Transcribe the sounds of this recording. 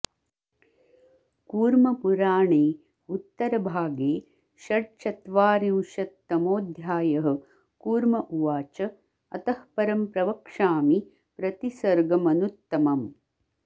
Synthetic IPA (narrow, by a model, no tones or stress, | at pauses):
kuːɾmɐpuɾaːɳeː | ut̪ːɐɾɐbʱaːɡeː | ʃɐʈt͡ʃɐt̪ʋaːɾiwʃɐt̪ːɐmoːd̪ʱjaːjɐɦɐ̆ | kuːɾmɐʔuʋaːt͡ʃɐ | ɐ̰t̪ɐhpɐɾɐmpɾɐʋɐkʂaːmi | pɾɐt̪isɐɾɡɐmɐnut̪ːɐmɐm